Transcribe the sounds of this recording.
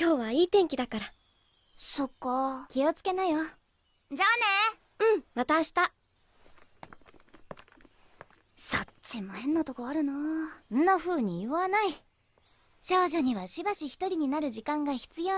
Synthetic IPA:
kʲo̞ːβaiːt̪ẽ̞ŋkʲid̪akaɾa | so̞ko̞kʲio̞t͡sɨ̥ke̞najo | d͡ʑane | ɯ̟̃ɴβat̪aɕi̥t̪a | sott͡ɕimo̞hẽ̞nːot̪o̞ko̞aɾɯ̟noɯnːaɸɯ̟ːɲ̟ijɯβanai | ɕo̞ːʑoɲ̟iβaɕibaɕiçʲi̥t̪o̞ɾʲiɲ̟inaɾɯ̟ʑikãŋɡaçi̥t͡sɨjo̞ː

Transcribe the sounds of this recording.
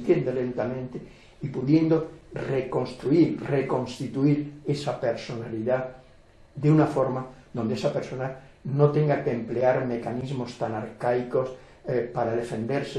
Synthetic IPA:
t̪jend̪olent̪amẽnt̪e | ipuðjend̪oreko̞nst̪ɾuiɾrekõ̞nst̪it̪uiɾesapeɾsonaliða | ðeunafoɾmaðond̪eesapeɾsona | not̪eŋɡakeempleaɾmekanizmost̪anaɾkajkos | paɾaðefend̪eɾse

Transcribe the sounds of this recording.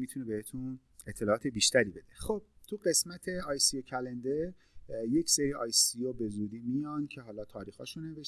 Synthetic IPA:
miːt̪ʰunebehet̪ʰun | et̪ʰːe̞lɒːt̪ʰe̞biːʃt̪æɾiːbe̞d̪exob̥̚t̪ʰuɢe̞smæt̪ʰe̞ɒːjsiocʰælend̪eɾ | je̞cʰseɾiːɒːjsiobe̞zuːd̪iːmijɒːncʰe̞ɦɒːlɒːt̪ʰɒːɾiːxɒ̰ːʃunːeveʃ

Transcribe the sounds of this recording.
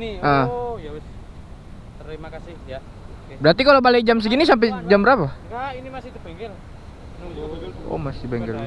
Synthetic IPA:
niə | əimakasɪhja | bəɾat̪ikalobalek̚d͡ʒams̬əɡinis̬amp̬ɛd͡ʒambəɾapaɡainimasit̪upɛŋɡɛl | ɔ̰masibɛŋɡəla

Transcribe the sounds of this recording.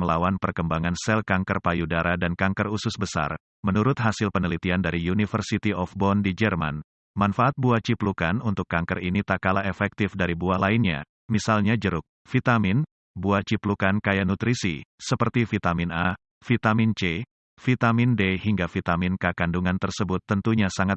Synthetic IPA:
məlawanpərkəmbaŋansɛlkaŋkərpajudaɾadankaŋkərusʊsbəsa̰r | mənuɾʊt̪̚ɦasɪlpənəlit̪iandaɾiunifərsit̪iɔfbɔndid͡ʒɛrma̰n | manfaʔat̪̚buat͡ʃiplukanunt̪ʊkːaŋkərinit̪akalaefɛk̚t̪ɪfdaɾibuahlainɲa̰ | misalɲad͡ʒəɾʊk̚ | fit̪amɪn | buat͡ʃiplukankajanut̪ɾisḭsəpərt̪ifit̪amina | fit̪amɪnt͡ʃe | fit̪amɪndehiŋɡafit̪amɪnkakanduŋant̪ərsəbʊt̪ːənt̪uɲasaŋat̪

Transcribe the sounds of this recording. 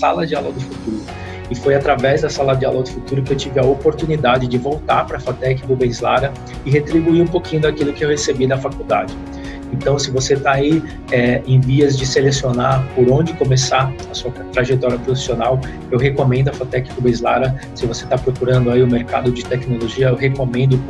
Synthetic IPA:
salɐd͡ʒɪaloɡd̪ɪfut̪uɾʊ | ɪfojat̪ɾavɛzd̪ɐsalɐd͡ʒɪaloɡd̪ɪfut̪uɾʊkɪewt͡ʃivɪɐopoɾt̪unid̪ad͡ʒɪd͡ʒɪvowt̪aɾpɾɐfat̪ɛkɪbʊbẽj̃zla̰ɾɐ | ɪɦet̪ɾibuiũpokĩɲʊd̪ɐkilʊkɪewhesebid̪ɐfakuwd̪ad͡ʒɪ | ẽnt̪ɐ̃w̃sɪvoset̪ai | ɛẽviɐzd͡ʒɪselesionaɾpoɾõnd͡ʒɪkomesaɐsuɐt̪ɾaʒet̪ɔɾiɐpɾofi̥sionaw | ewɦekomẽnd̪ʊɐfat̪ɛkɪ̥kʊbẽj̃zla̰ɾɐsɪvoset̪apɾokuɾɐ̃nd̪ʊaiʊmeɾka̰d̪ʊd͡ʒɪt̪ɛknoloʒiɐewɦekomẽnd̪ʊ

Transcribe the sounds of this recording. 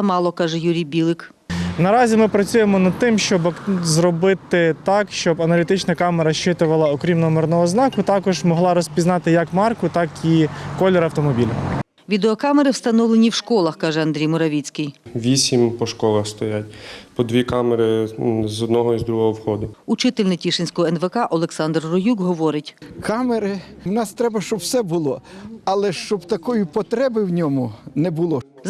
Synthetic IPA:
ɐmɑlˠɔkɑʒɛjuɾʲijbʲilˠɪk | nɐɾɑzʲimɪpɾɐt͡sʲujemɔnɐd̪̚t̪ɪmʃt͡ʃɔbzrɔbɪt̪ɪt̪ɑkʃt͡ʃɔbɐnɐlʲit̪ɪt͡ʃnɐkɑmɛɾɐʃt͡ʃɪt̪ʊʋɐlˠɐɔkɾʲimnɔmɪrnɔɦɔznɑkʊt̪ɑkɔʒmɔɦlˠɑɾɔsʲpʲiznɑt̪ɪjɐkmɑrkʊt̪ɑkikɔlʲɛɾɐwt̪ɔmɔbʲilʲʊ | ʋʲid̪eɔkɑmeɾɪwst̪ɐnɔʋlˠenʲiwʃkɔlˠɐxkɑʒɛɐnd̪ɾijmʊɾɐʋʲit͡sʲkɪjʋʲisʲimpɔʃkɔlˠɐxst̪ɔjatʲpɔd̪ʋʲikɑmeɾɪzɔd̪nɔɦɔizd̪ɾuɦɔɦɔwxɔd̪ʊut͡ʃɪt̪elʲnɪtʲiʃenʲsʲkɔɦɔɛnʋekɑʔɔlˠeksɑnd̪rːɔjukɦɔʋɔɾɪtʲkɑmeɾɪwnɑst̪ɾɛbɐʃt͡ʃɔbwsɛbʊlˠɔɐlˠɛʃt͡ʃɔbt̪ɐkɔjʊpɔt̪ɾɛbɪwnʲɔmʊnɛbʊlˠɔ | z

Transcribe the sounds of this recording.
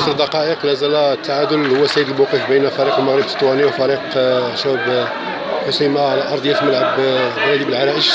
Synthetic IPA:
sɾd̪ɑqɑʔəqlæzælæt̪ːaʕad̪ʊlhʊwːæsæjəd̪əlmuqifbənfæɾiqwməɣɾəb̪t̪ˤːwæniwfæɾiqʃæb | ħosimaʕlæʔɑɾˤd̪ˤjæt̪məlʕəbwɾæd̪ibəlʕaɾæʔəʒ

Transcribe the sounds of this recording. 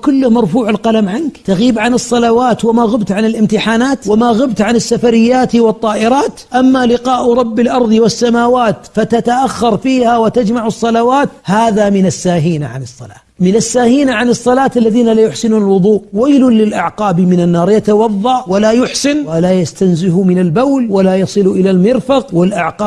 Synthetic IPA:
kʊlːʊhmɑɾˤfuːʕɪlqɑlamʕankt̪aɣiːbʕanɨsˤːɑlɑwaːt̪wamaɣʊbt̪ʕanɪlʔɪmt̪ɪħaːnaːt̪wɪmaɣʊbt̪ʕanɪsːafaɾɪjːaːt̪wɨt̪ˤːɑːʔɪɾɑːt̪ʔamːalɪqɑːʔɾˤɑbːɪlʔɑɾˤðˤwɪsːamaːwaːt̪fat̪at̪aʔaxːɑɾˤfiːhawat̪ad͡ʒmaʕʊsˤːɑlɑwaːt̪haːðamɪnasːaːɦiːna̰ʕa̰nɨsˤːɑ̰la̰ː | mɪnasːaːhiːnaʕanɨsˤːɑlaːt̪alːaðiːnalajʊħsɪnuːnalwʊðˤuːʔwajlʊnlɪlʔaʕqɑːbmɪnanːɑːɾˤjat̪ɑwɑðˤːɑʕʔwalajʊħsɪnwalajast̪anzɪhumɪnalbawlwalajɑsˤɨlʔɪlalmɪɾfɑqwɪlʔaʕqɑː

